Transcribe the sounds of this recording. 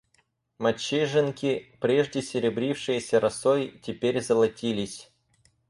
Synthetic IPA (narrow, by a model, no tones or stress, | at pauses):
mɐt͡ɕːeʐɨnkʲɪpɾʲeʐdʲɪsʲɪɾʲɪbɾʲifʂɨjəsʲəɾɐsojtʲɪpʲeɾʲzəlˠɐtʲilʲɪsʲ